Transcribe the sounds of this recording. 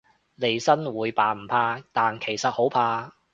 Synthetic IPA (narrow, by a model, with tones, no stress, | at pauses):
le˨˧jsɐ˥nwuː˨˧jpaː˨˧m̩˨˩pʰaː˧t̪aː˨nkʰe˨˩jsɐ˨t̚ho˨˥wpʰaː˧